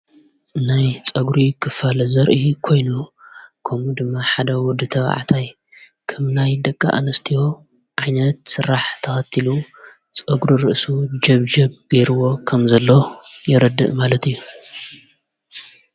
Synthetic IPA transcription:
najt͡sʼɐɡɾikʰɨfalɐzɐɾʔikʰo̞jnukʰɐmud̪ɨmːaħad̪ɐwɔd̪ːɨt̪ʰɐβa̰ʕa̰t̪ʰaj | kʰɐmnajd̪ɐkʼːa̰ʔanɐst̪ʰijo | ʕajnɐt̪sɨɾaħt̪ʰɐxɐt̪ʰilu | t͡sʼɐɡɾuɾɨʔsud͡ʒɐβd͡ʒɐβɡ̥ejɾɨwo̞kʰɐmzɐlːojɛɾɐd̪ːɨ̰ʔmalɐt̪ijːu

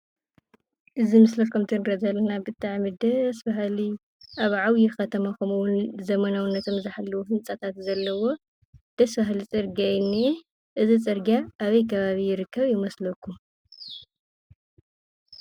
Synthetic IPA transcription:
ʔɨzimɨslɐkʰumt̪ʰɨnɾɐd̪alɐnabɨt̪ʰʼːaʕmɨd̪ɐsbaɦli | ʔaβʕawjixɐt̪ʰɐmakomuwʊnzɐmɐnawunːɐt̪ʰo̞mzɨħalːɐwuhɨnt͡sʼat̪ʰat̪zɐlːɐwo̞ | d̪̥ɐsbaɦlit͡sʼɨɾɡajɪnːi | ʔɨzit͡sʼɨɾɡjaʔːβɐjkʰɐβaβijɪɾɨkʰːɐβjɪmɐslɐkʰːum

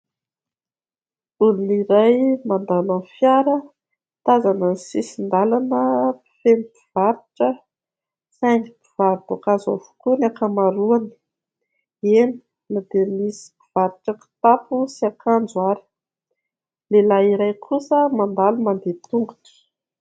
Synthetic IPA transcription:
uniniɾajmand̪alanfjaɾə | t̪azananisisind̪alanəpi̥femipiv̥aɾiʈ͡ʂə | saŋɡipiv̥aɾt̪okazovu̥kunakamaɾuani̥ | eni̥ | nad̪̥emisi̥piv̥aɾiʈ͡ʂəki̥t̪apusiakand͡zwaɾi̥ | lelaiɾajkʰusəmand̪alumand̪et̪uŋɡut̪i̥

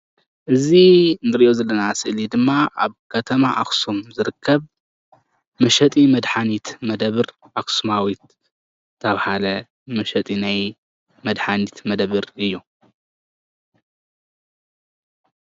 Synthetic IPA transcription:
ʔɨzinɨɾiʔozɐlːɐnasɨʔlid̪ɨmːaʔaβkʰɐt̪ʰɐmaʔa̰xsumzɨɾɨkʰːɐβ | mɐʃɐt̪ʼimɐd̪ħanit̪mɐd̪ɐβɨɾ | ʔaksumawit̪̚ | t̪ʰːɐβhalɐ | mɐʃɐt̪ʼinaj | mɐd̪ħanit̪mɐd̪βɨɾɨjːu

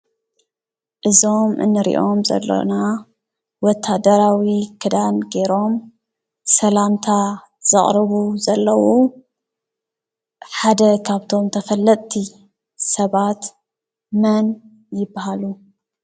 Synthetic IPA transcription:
ʔɨzo̞mʔɨ̰nːɨɾḭʔo̞mzɐ̰lːo̰na | wɔt̪ʰːad̪ɐɾawikʰɨd̪anɡe̞ɾo̞m | sɐlamt̪ʰa | z̥ɨχʼɾɨβuzɐlːɐwu | ħad̪ɐkʰaβt̪ʰo̞mt̪ʰɐfɐlːɐt̪ʼt̪ʰi | sɐβat̪ | mɐn | jɪbːahalu

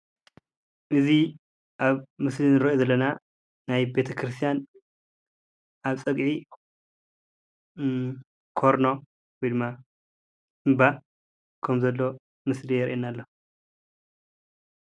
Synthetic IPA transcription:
ʔɨzi | ʔaβmɨslinɨɾɐozɐlːɐna | najbe̞t̪ʰɐkʰɾɨst̪ʰijan | ʔaβt͡sʼɐɡʕi | kʰoɾno̞ | wojd̪ɨmːa | ɨmba | kʰɐmzɐlːo̞ | mɨslijɛɾʔenːalːo̞

